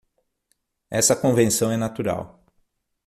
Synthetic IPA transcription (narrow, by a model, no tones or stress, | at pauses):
ɛsɐkõvẽsɐ̃w̃ɛnat̪uɾa̰w